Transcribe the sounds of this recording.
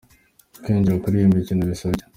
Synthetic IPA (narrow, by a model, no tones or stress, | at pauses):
kiːɲɟiɾokuɾijumbicinoβisoce̥